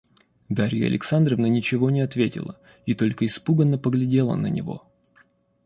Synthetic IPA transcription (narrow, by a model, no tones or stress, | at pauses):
d̪aɾʲɪjə̰ɐ̰lʲʔɪ̰ksand̪ɾəvnənʲɪt͡ɕɪvo̞nʲɪɐt̪vʲetʲɪ̰lˠə̰ | it̪o̞lʲkəɪspuɡənːəpəɡlʲɪdʲe̞lˠə̰nə̰nʲɪ̰vo̞̰